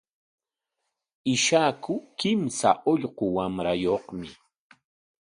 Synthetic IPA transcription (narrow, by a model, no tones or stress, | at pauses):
ɪʃakʊkɪmsa̰ʔoʎqowamɾajoχmɪ